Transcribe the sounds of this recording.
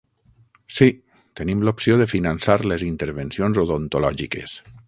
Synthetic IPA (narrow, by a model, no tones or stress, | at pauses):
si | t̪enimlopsioðefinansaɾlezint̪əɾβensionzoðont̪olɔ̰ʒikḛs